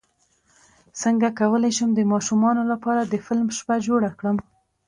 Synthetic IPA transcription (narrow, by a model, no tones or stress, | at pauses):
səŋɡakawəlajʃəmd̪əmɑʃumɑnolapɑɾad̪əfɪlmʃpad͡ʒoɽakɽəm